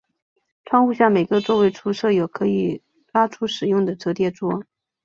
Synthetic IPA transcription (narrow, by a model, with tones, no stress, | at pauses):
ʈ͡ʂʰwɑ˥ŋxu˥˧ɕ̬jɑ˥˩ŋme˨˩ɪɡə˧˥t͡swɔ˥˧we˥˩ɪʈ͡ʂʰu˧˥ʂɤ˥˩jo˨˩ʊkʰɤ˧˥i˨˩ | la˥ʈ͡ʂʰu˥ʂɻ̩˨˩jʊ˥˩ŋd̪ə˩ʈ͡ʂɤ˧˥t̪jɛ˥˩t͡swɔ˥